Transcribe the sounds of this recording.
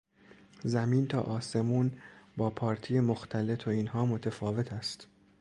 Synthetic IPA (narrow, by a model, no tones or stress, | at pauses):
zæmiːnt̪ʰɒːʔɒːse̞muːnbɒːpʰɒːɾt̪ʰijemoxt̪ʰæle̞t̪ʰoiːnɦɒːmo̞t̪ʰefɒːve̞t̪ʰæst̪